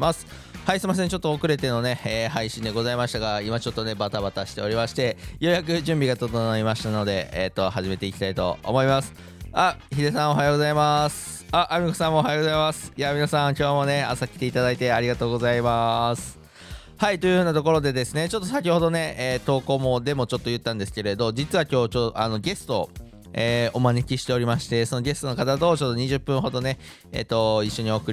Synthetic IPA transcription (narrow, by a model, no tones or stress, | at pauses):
masɨ̥ | haisɨimas̬ẽɲ̟t͡ɕo̞t̪ːoːkɯ̟ɾe̞t̪e̞no̞ne̞eːhaiɕĩnd̪e̞ɡo̞zaimaɕi̥t̪aɡaimat͡ɕo̞t̪ːo̞ne̞bat̪abat̪aɕi̥t̪e̞o̞ɾʲimaɕi̥t̪e̞jo̞jak̬ɯ̟ʑɨ̃mbʲiɡat̪o̞t̪onoimaɕi̥t̪ano̞d̪e̞̰et̪ːo̞haʑime̞t̪eikʲi̥t̪ait̪o̞̰mo̞imasɨ̥ | açid̪esão̞ɦajo̞ɡo̞zaimasɨ̥ | aʔːmʲikosãmːooːɦajoɡo̞zaimasɨ̥jamʲinasãŋkʲo̞ːmo̞ne̞a̰sakʲi̥t̪e̞it̪ad̪ait̪e̞aɾʲiɡat̪o̞ːɡo̞zaimasɨ̥ | hait̪o̞jɯ̟hɯ̟ːnat̪oko̞ɾo̞d̪e̞d̪e̞sɨne̞t͡ɕo̞t̪ːo̞sak̬ʲiho̞d̪o̞ne̞eːt̪o̞ːko̞ːmo̞d̪e̞mo̞t͡ɕo̞t̪ːo̞jɯ̟t̪ːãnd̪esɨ̥ke̞ɾe̞d̪o̞d͡ʑit͡sɨβakʲo̞ːt͡ɕoano̞ɡe̞sɨ̥t̪o̞ | eːomanekʲiɕi̥t̪e̞oɾʲimaɕi̥t̪e̞so̞no̞ɡʲe̞sɨ̥t̪o̞no̞kat̪at̪o̞ːt͡ɕo̞t̪ːo̞ɲ̟iʑɨpːɯ̃ɦo̞d̪o̞ne̞ | ḛːt̪ːo̞iɕːo̞ɲ̟io̞ːkɯ̟ɾ